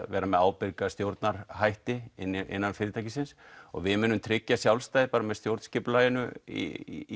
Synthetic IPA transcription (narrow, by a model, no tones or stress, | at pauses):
ɛːɾamɛðaːwpɪɾkast̪jowɾt̪naɾ̥ɦajht̪ɪɪnʔɪ̰nːanfɪːɾɪt̪ʰajcɪsɪnsɔ̰ɣvɪmʏnːʏmt̪ʰɾɪcːasjawlst̪ajðɪpaːɾamɛðst̪jowɾt̪n̥scɪplajɪnʏ̰ḭ